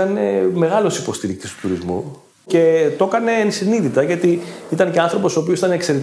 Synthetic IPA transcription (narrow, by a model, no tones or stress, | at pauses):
ɐneme̞ɣɐlo̞sipo̞st̪iɾikt̪ist̪u̥t̪uɾizmṵ | ce̞t̪o̞kɐne̞ːnsiniðit̪ɐʝɐt̪iit̪ɐnce̞ɐnθɾo̞po̞soːp̬iosit̪ɐnekse̞ɾet̪